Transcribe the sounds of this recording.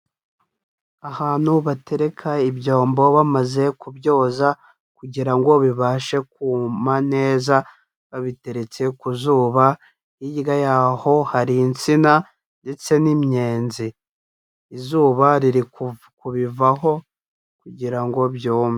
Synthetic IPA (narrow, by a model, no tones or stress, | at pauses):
ahaːn̥huβate̞ɾe̞kʰaibjo̞ːmbo̞βamaze̞kubjo̞ːza | kuɟiɾaŋɡo̞βiβaːʃe̞kuːmane̞ːza | βaβite̞ɾe̞t͡se̞kuzuːβa | ijiɡajaːho̞haɾint͡sina | nde̞t͡se̞nimɲe̞ːnzi | izuːβaɾiɾik | kuβivaɦo̞ | kuɟiɾaŋɡo̞bjoːme